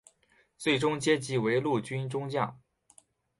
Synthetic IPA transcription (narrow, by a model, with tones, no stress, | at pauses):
t͡swe˥˩ɪʈ͡ʂʊ˥ŋt͡ɕjɛ˥t͡ɕi˧˥we˧˥ɪlu˥˩t͡ɕy˥nʈ͡ʂʊ˥ŋt͡ɕjɑ˥˩ŋ